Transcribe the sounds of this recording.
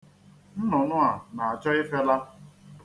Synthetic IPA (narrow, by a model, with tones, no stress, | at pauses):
n̩˦nɔ˨nʊ˦a˨na˨a˨t͡ʃɔ˦ɪ˦fe˦la˦